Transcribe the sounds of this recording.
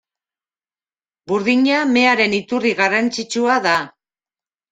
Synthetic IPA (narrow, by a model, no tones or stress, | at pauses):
buɾðiɲame̞aɾe̞nit̪uriɣarant͡sit͡ʃuaða